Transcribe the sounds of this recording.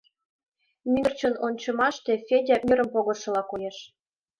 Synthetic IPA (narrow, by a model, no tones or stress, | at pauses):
mʲyrt͡ɕənonʲt͡ɕɤ̆mɑʃt̪efʲedʲɑmʲyɾə̆mpoɣɤ̆rʃɤ̆lɑkojeʃ